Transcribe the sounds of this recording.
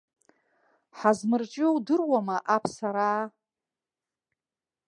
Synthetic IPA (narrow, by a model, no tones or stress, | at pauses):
ħazmɨrt͡ʃʼɪwdɨrwamaʔapʰsaɾaː